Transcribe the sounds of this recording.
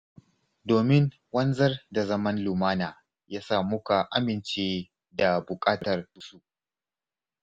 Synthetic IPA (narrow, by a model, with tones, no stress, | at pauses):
doː˨mɪ˦ŋ | wɐ˦nzɐ˦rda˨zɐ˦mɐ˦nlʊ˨maː˦naː˨ | jaː˦saː˦˨mʊ˦ka˨ʔa˦mɪ˨nt͡ʃeː˦ | da˨bʊ˨kʼaː˦tɐ˨rʊ˦su˦ʔ